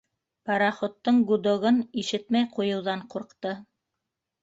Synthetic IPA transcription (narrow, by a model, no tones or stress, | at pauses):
pɑɾɑχŏt̪ːɤɴɡud̪ŏɣɤniʃɘt̪mæjqujɤ̆wðɑɴquɾqt̪ɤ